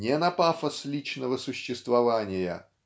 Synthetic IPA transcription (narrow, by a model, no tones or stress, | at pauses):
nʲenɐpafəslʲit͡ɕnəvəsʊɕːɪst̪vɐvanʲɪjə̰